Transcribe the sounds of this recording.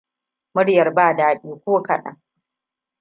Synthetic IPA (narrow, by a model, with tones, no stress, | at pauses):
mʊ˦ɽjɐ˨rbaː˦˨daː˨ɓiː˦kʷoː˦kɐ˨ɗɐ̰˦ŋ